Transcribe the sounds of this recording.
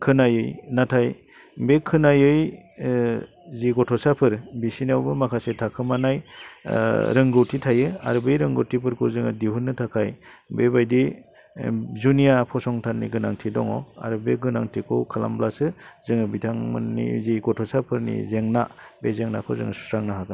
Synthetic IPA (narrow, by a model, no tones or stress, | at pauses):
kʰɯnajɯjnatʰaj | bekʰɯnajɯj | ziɡɔtʰɔsapʰɯɾbisinawbɯmakʰasetʰakʰɯmanaj | ɾɯŋɡɯwtʰitʰajɯa̰ɾɯbejɾɯŋɡɯwtʰipʰɯɾkʰɯzɯŋɯdiɦunːɯtʰakʰajbebajdi | zunijapʰɔsɔŋtʰanːḭɡɯnaŋtʰidɔ̰ŋɔ̰a̰ɾɯbeɡɯnaŋtʰikʰɯwkʰala̰mblasɯzɯŋɯbitʰaŋmɯ̰nːḭziɡɔtʰɔsapʰɯɾnḭzeŋnabezeŋnakʰɯwzɯ̰ŋɯ̰su̥sɾaŋnaɦakɯn